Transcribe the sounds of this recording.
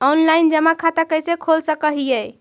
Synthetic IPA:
ɔnlajnd͡ʒəmakʰat̪akəjsekʰolsəkəɦijɛ

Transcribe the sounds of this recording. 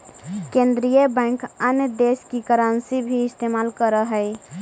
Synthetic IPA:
kẽnd̪ɾijəbɛ̃kənjəd̪eskikəɾənsibʱiːst̪emalkəɾəɦəj

